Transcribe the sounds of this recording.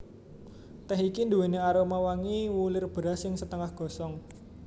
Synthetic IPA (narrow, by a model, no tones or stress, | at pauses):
t̪ɛɦikind̪uweneaɾomawaŋiwulɪrb̥ɾasɪŋsət̪əŋahɡ̥ɔ̤sɔŋ